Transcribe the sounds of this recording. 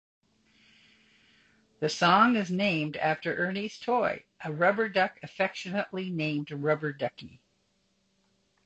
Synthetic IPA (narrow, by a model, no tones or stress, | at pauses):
ðɨsɔ̃ŋɨznẽɪ̃mdæftə˞ʔɜ˞niz̥tʰɔɪʔɨɹʌbə˞dʌkɨfɛkʃɨnəʔlinẽɪ̃mdɹʌbə˞dʌki